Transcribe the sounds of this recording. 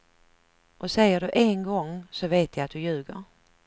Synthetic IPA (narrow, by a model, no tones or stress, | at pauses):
ʔɔsɛjːəɖɵʔeŋɡɔŋsɔveːt̪ʰjajat̪̚d̪ɵjʉ̟ːɡə̰ɾ